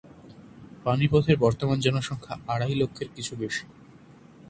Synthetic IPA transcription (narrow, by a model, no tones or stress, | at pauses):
panipɔd̪ʱeɾbɔɾt̪omand͡ʑɔnoʃɔŋkʰaaɽajlokʰːeɾkit͡ɕʰubeʃi̥